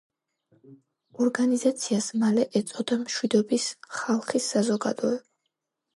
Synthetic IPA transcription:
ɔɾɡanizat̪sʰiasmalɛʔɛt̪sʼɔd̪amʃwid̪ɔbisχalˠχisːazɔɡa̰d̪ɔɛb

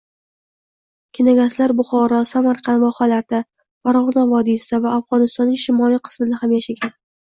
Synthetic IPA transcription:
kʲʰɪnaɡʲaslaɾbʊχɒɾɒsamaɾqʰɑnvɒχalaɾd̪a | faɾɒʁnavɒd̪isɪd̪avaːfʁɒnɪst̪ɒnːɪŋʃɪmɒiqʰɨ̥smɪd̪ahamjaʃaɡʲan

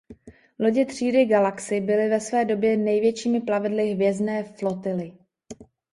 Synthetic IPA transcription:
lo̞ɟɪt̪r̝̥iːdɪɡalaksɪbɪlɪvɛsvɛːdo̞bjɛnɛjvjɛt͡ʃiːmɪplavɪdlɪɦvjɛznɛːflo̞t̪ɪlɪ

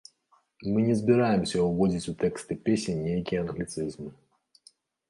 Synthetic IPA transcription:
mɨnʲɛzbʲɪɾajɪmsʲəʊɣodʲɪt͡sʲʊt̪ɛkst̪ɨpʲesʲɪnʲejkʲiɐnɣlʲɪt̪sɨzm

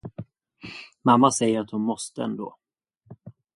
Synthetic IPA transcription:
mamːasɛjːəɾat̪hʊnmɔst̪əɛ̰nd̪o̰ː

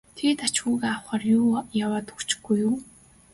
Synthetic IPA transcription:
t̪ʰet̪at͡ɕxuːɣaawχaːrjuːjawaːt̪ɵ̥kt͡ɕɪ̥ɡːujuː

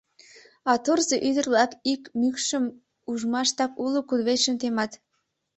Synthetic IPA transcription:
ɑt̪orzeʔyd̪ə̆rβlɑkikmykʃəm | uʒmɑʃt̪ɑpulukud̪βeʃəmt̪emɑt̪

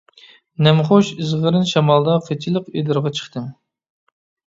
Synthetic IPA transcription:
nɛmχoʃɨzʁəɾɨnʃɑmɑlˠd̪ɑχʰet͡ʃʰilˠəqed̪ɨɾʁɑt͡ʃʰə̥χt̪ʰɨŋ

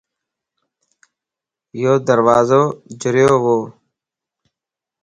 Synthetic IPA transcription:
joːd̪əɾwaːzoːd͡ʒɪɾjoːʋoː

